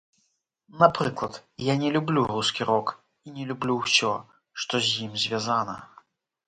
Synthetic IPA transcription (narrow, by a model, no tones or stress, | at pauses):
napɾɨklˠɐt̪janʲɛlʲublʲuɾuskʲiɾɔk | inʲɛlʲublʲuwsʲɔ | ʂt̪ɔzʲjimzʲvʲazanɐ̰